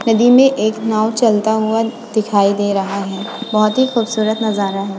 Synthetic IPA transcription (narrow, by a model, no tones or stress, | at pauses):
nɐd̪imẽʔeːknaːwt͡ʃɐlt̪aɦʊa | d̪̥ɪkʰaːid̪eːɾɐɦaɦɛːbɐɦʊt̪ɦixuːbsuːɾət̪nɐzaːɾaɦɛː